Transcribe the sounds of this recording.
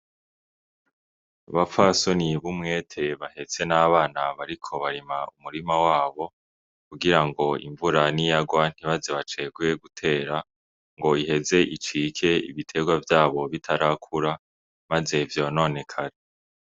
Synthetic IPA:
βafasoniβumŋe̞ːtʰe̞βahe̞t͡se̞naːβaːnaβaɾikʰo̞βaɾimaumuɾimawaːβo̞ | kuɡiɾaŋɡo̞ḭɱvuɾanijaɡwan̥iβazeβat͡ʃe̞ɡuje̞ɡutʰe̞ːɾa | ŋɡo̞ihe̞ze̞ʔit͡ʃikʰe̞ḭβitʰe̞ɡwavjaːβo̞βitʰaɾakʰuɾa | maze̞vjo̞ːno̞ne̞kʰaɾe

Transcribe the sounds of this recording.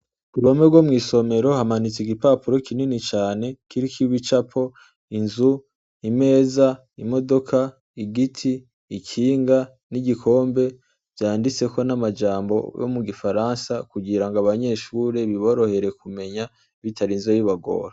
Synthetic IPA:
kuɾomebɡwo̞mŋiːso̞me̞ɾo̞hamanit͡siɡipaːpuɾo̞kʰininit͡ʃaːne̞kiɾikʰiβit͡ʃapʰo̞ | inzu | ime̞ːza | imo̞do̞kʰa | iɡitʰiː | kʰiːŋɡa | niɟikʰo̞ːmbe̞ | v̥jaːndit͡se̞ko̞namad͡ʒaːmbo̞̰jo̰muɡifaɾansakuɡiɾaŋɡaβaɲe̞ʃuːɾe̞βiβo̞ɾo̞he̞ɾe̞kume̞ɲa | βitʰaɾinzojiβaɡo̰ːɾa

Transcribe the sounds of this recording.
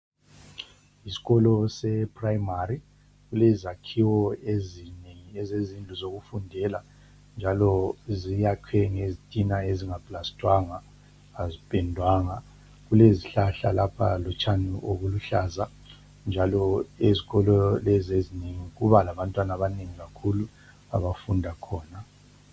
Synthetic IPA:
isi̥ɣɔlɔsɛpʰʼrajmaɾi | ɣulɛzakʰiwɔezineŋiɛzezind͡ɮʱuzoɣufundʱɛla | nd͡ʒʱalɔzijaǃʰɛŋezitʼinaeziŋabʼlastʼwaŋaː | zipʼɛndʱwaŋa | ɣuleziɬaɬa̰lapʰa̰lɔt͡ʃʰʼaniʔoɣuluɬaːza | nd͡ʒʱalɔeziɣɔlɔlɛzezineŋiɣuβalaβantʼwanaβaneŋiɣakʰulu | a̰βafundʱakʰɔːna

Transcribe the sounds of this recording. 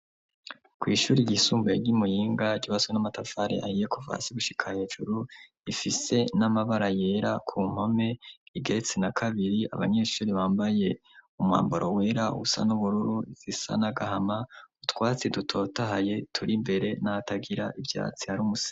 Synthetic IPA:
kwiːʃuːɾiɟisuːmbaeɟimujiːŋɡaɟiβaswenamatafaɾḛʔa̰hijekova̰ːsiɡuʃi̥kʰahe̞ːʒuɾu | ifise̞namaβaɾaje̞ɾakʰum̥ho̞me̞iɡe̞ɾe̞t͡se̞nakʰaβiɾia̰βa̰ɲe̞ːʃuːɾiβaːmbaje̞ | umwa̰ːmboɾoweːɾaṵsa̰nuβuɾuɾuiz̥isa̰naɡahamautwaːt͡sidutʰo̞ːtaɦaje̞tʰuɾimbe̞ɾe̞nataɡiɾaʔivja̰ːt͡si̥haɾuːmusi̥

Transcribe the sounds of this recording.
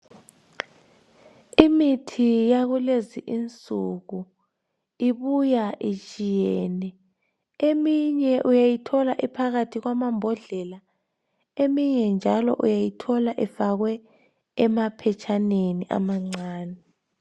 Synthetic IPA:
imitʰijaɣuleziʔint͡sʼuɣu | iβujaʔit͡ʃʼijɛːnɛ | emiɲɛʔujajitʰɔlaʔipʰaɣatʰiɣwamambʱɔɮɛla | emiɲɛnd͡ʒʱalɔ̰ʔṵjajitʰɔlaʔɛfaɣwɛ | ɛmapʰɛt͡ʃʰʼaneniʔa̰maŋ͡ǀaːnɛ

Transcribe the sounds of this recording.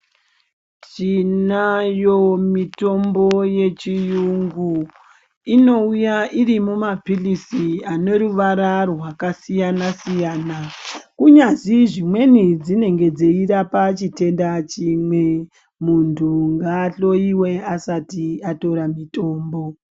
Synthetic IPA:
t͡ʃinajo̞mito̞mbo̞je̞t͡ʃijuŋɡu | ino̞ujaʔiɾimumapilisiane̞ɾuʋaɾarwakasijanasijaːnakuɲaziʐimwe̞nid͡zine̞ŋɡe̞d͡zeiɾapat͡ʃite̞ndat͡ʃimwe̞ | muntʰuŋɡaːɬo̞iwe̞asatiato̞ɾamito̞ːmbo̞

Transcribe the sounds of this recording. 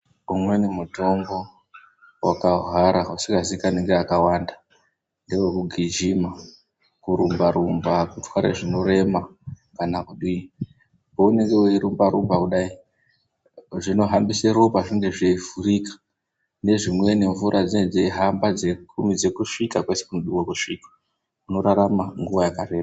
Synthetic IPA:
umwe̞nemuto̞mbo̞ | wa̰kaɦwaɾausiŋɡazikaneŋɡeakawanda | ndewekuɡʱid͡ʒima | kuɾumbaɾumbakutwaɾḛʐino̞ɾe̞ma | kanakuɗi | poune̞ŋɡe̞weiɾumbaɾumbakuɗai | ʐino̞ɦambiseɾopaʐiŋɡeʐeivurikḁ | ne̞ʐimwe̞ne̞ɱvuɾʔad͡zined͡zeɦambad͡ze̞kʰumid͡ze̞kuʂikakwe̞sekunoɗuwokuʂikḁ | uno̞ɾaɾamaŋɡuʋajakare̞ːma

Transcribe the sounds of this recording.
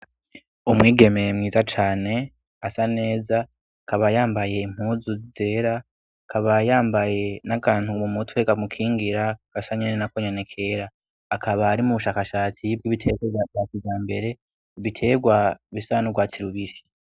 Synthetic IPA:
umŋiːɡe̞mejmŋiːzat͡ʃaːne̞ | asane̞ːza | kʰaβajaːmbaje̞im̥huːzuzize̞ːɾa | kʰaβajaːmbaje̞nakaːn̥humumutʰweɡamukʰiːŋɡiɾaɡ̥asaɲenenakoɲenekʰe̞ːɾaː | kʰaβaɾimuβuʃaːkaʃaːt͡sib̚ɡiβitʰe̞ɡejakivjaːmbe̞ɾe̞ | βitʰe̞ːɡwaβisaːnuɡwaːt͡siɾuβisi̥

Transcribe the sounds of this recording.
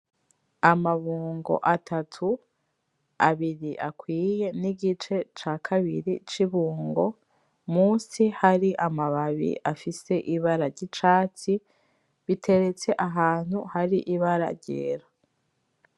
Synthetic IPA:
amaβuːŋɡo̞̰ʔatʰatʰu | aβiɾiʔakwiːje̞niɡit͡ʃe̞t͡ʃaːkʰaβiɾit͡ʃiβuːŋɡo̞ | muːsihaɾiʔamaβaβḭʔafise̞ʔiβaɾaɾɟit͡ʃaːt͡si | βitʰe̞ɾe̞t͡se̞ʔaɦaːn̥huhaɾiʔiβaɾa̰ɾɟḛːɾa

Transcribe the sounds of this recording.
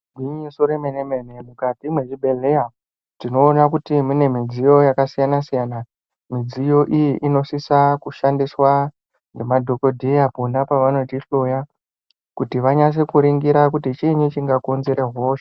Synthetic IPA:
ɡʱwiɲisoɾemenemenemukatimwe̞ʐiɓe̞ɮe̞ja | tino̞ːnakutimune̞mid͡zijo̞jakasijanasijana | mid͡zijo̞ʔijiʔino̞sisakuʃandiswa | ŋɡemadʱo̞ko̞dʱijaponapaʋano̞tiɬo̞ja | kutiʋaɲas̬ekuɾiŋɡiɾak̬utit͡ʃiɲit͡ʃiŋɡakonzeɾeɦoːʃ

